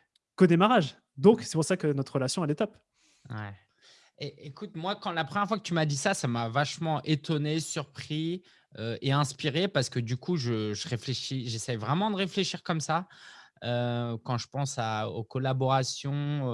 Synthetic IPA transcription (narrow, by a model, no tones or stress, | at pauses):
kod̪emaʁaʒ | d̪ɔ̃ksɛpuʁsakənɔt̪χəlasjɔ̃ɛlɛt̪ɔp | wɛ | eʔekut̪mwakɑ̃lapχəmjɛʁfwakət̪ymad̪isasamavaʃmɑ̃ʔet̪ɔnesyʁpχi | øeɛ̃spiʁepaʁsə̥kəd̪ykʰuʒəʒəʁefleʃiʒesɛjvʁɛmɑ̃d̪əʁefleʃiʁkɔmsaøkɑ̃ʒəpɑ̃saokɔlabɔʁasjɔ̃